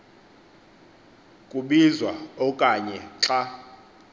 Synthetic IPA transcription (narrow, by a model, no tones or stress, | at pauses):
kʼuɓizwaɔkʼaɲɛǁa